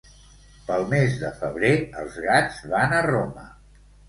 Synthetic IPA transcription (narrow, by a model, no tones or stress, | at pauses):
pəlˠmezðəfəβɾeəlˠzɣad͡zβanəromə